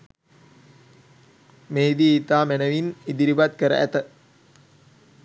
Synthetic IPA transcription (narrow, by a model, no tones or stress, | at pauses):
meːd̪iːt̪aːmænəʋinid̪iɾiʋat̪kəɾə̰ʔæt̪ə